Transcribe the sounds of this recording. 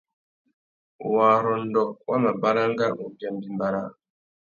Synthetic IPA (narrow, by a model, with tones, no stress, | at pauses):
waː˨ɾɔ˨n˦dɔ˨wa̰˦ma˨ba˦ɾa˦ŋ˦ɡa˦mu˨ba˨m˦bi˦mba˨ɾa˦